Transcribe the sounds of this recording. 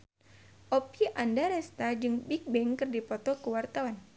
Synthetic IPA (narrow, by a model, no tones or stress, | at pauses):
ʔɔpiʔandaɾɛst̪ad͡ʒɨŋbik̚bɛŋkɨrdipɔt̪ɔkuwart̪awan